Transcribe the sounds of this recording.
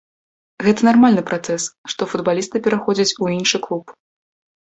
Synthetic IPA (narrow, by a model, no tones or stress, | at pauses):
ɣɛt̪ɐnarmalʲnɨpɾat̪sɛsʂt̪ɔfud̪balʲist̪ɨpʲɛɾaxɔd͡zʲɐt͡sʲuinʂɨklˠup